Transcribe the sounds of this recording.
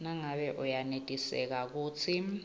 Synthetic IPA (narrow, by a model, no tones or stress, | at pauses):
naŋaɓɛʔujanetʼisɛ̰k̬ak̬uːt͡sʰi